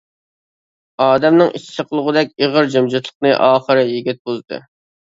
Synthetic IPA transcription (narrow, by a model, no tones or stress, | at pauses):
ɑːd̪ɛmnɨŋit͡ʃʰi̥sʰɪqʰəlˠəʁʊd̪ɛkʲeʁəɾd͡ʒømd͡ʒɨt̪lˠəqnɨʔɑːχəɾɨjiɡʲit̪̚bozd̪ɨ̰